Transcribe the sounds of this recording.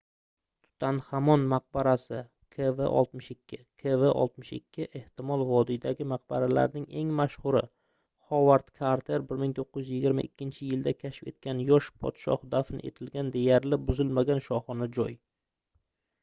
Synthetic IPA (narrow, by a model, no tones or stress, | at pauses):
t̪ʰʊ̥t̪ʰanhamɒnmaq̚baɾasɪ | kʰevḛʔɒ̰lˠt̪mɪʃɪkʲʰːɪkʰeveʔɒ̰lˠt̪mɪʃɪ̰kʲʰːɪʔe̞ht̪ɪmɒlˠvɒd̪id̪aɡʲɪmaq̚baɾala̰ɾnɪŋe̞ŋmaʃhʊɾɪ̰ | χɒvaɾt̪kʰaɾt̪ʰe̞ɾbɪɾmɪŋt̪ʰoqːɪjʊzjɪɡʲɪɾma̰ʔɪkʲːɪnt͡ʃʰɪjɪld̪akʲʰaʃfe̞t̪kʲʰanjɒʃpʰɒ̰t̪ʃɒ̰hd̪afɪnɪ̰ʔe̞̰t̪ʰɪlɡʲand̪e̞jaɾlɪbʊzɪlmaɡʲanʃɒχɒnad͡ʒɒj